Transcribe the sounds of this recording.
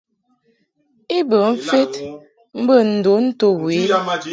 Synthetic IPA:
i˦bə˨m̩˦fe˦t | m̩˦bə˦˨n̩˨do˨˦n̩˦to˦we˨˦

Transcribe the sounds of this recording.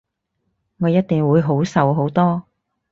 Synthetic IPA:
ŋɔː˨˧jɐ˥t̚t̪ɪ˨˩ŋwuː˨˧jɦo˨˥wsɐ˨wɦo˨˥wt̪ɔː˥

